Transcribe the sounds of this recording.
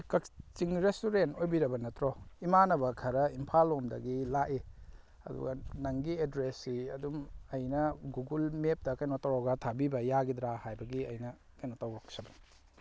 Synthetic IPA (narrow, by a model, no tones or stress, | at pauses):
kɐk̚t͡ʃiŋɾestuɾentojbiɾɐbɐnɐtɾoimanɐbɐkʰɐɾɐimpʰalomdɐ̰ɡilaʔi | ɐ̰dṵɡɐ̰nɐŋɡiedɾesːiɐ̰dumɐjnɐɡuɡulmep̚tɐkajnotawɾɔɡatʰabibɐjaɡidɾahajbɐɡiɐjnɐ | kɐjnotawɾok̚sɐbɐni̥